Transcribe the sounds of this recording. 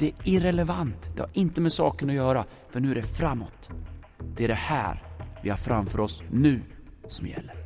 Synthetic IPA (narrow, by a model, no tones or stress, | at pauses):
d̪̥ɛɪɾɛlɛvant̪d̪ɛ̰ha̰ɾʔɪnt̪əmɛsɑ̰ːkənɔjœːɾa | fœɳʉ̟æɖɛfɾamːɔ̰t̪ | d̪̥ɛæɖɛhæ̰ːɾvɪhaɾfɾamfœːɾɔsnʉ̟ːsɔmjɛ̰lːəɾ